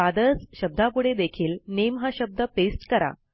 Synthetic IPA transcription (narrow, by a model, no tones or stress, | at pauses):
ad̪əɾd͡zɕəb̚d̪ʱapuɽed̪ekʰiːlnemɦaɕəb̚d̪əpesʈkəɾa̰